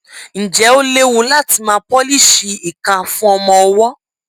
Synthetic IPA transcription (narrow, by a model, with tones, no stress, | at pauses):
n̩˨d͡ʒɛ˨˦o˦le˦wu˨˦la˦˨ti˧mãː˨˦k͡pɔ˦li˦˨ʃi˧i˨kã˨fũ˦ɔ˧mɔ̃˧ɔ˧wɔ˦